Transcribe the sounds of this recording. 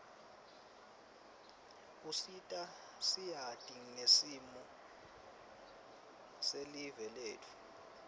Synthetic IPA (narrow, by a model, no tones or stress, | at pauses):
usitʼa | sijad̥ʼiŋnesimɔ | selivɛleːtʰu̥